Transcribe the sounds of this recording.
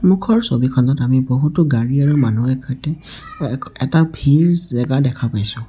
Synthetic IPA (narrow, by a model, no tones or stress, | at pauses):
mukʰɔɹsobikʰɔndɔtamiboɦutʊɡaɹiaɹumanuɛkʰɔtɛ | ɛtabʱiɹzɛɡadɛkʰapajsʊ̃